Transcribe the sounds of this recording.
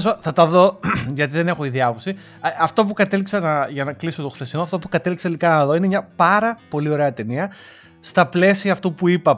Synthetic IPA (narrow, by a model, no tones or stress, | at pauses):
zɐθɐt̪ɐðo̞ʝɐt̪̬iðe̞ne̞xo̞iðiɐposi | ɐft̪o̞pukɐt̪e̞liksɐnɐʝɐnɐklisot̪oxθe̞sinoɐft̪o̞pukɐt̪e̞likset̪elikɐnɐɐðo̞inemɲɐpɐɾɐpo̞lio̞ɾe̞ɐt̪e̞niɐ | st̪ɐple̞siɐːft̪upuipɐ